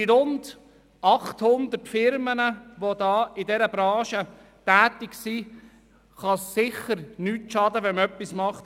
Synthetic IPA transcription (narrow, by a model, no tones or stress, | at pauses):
diɾʊnd | ɑχthʊnd̪ətfɪɾmənəʋodɑːɪdɛɾəbɾɑ̃ːʃə | tæːtɪɡsi | χɑsːɪχəɾnyːtʃɑdəʋɛnmœpːismɑχt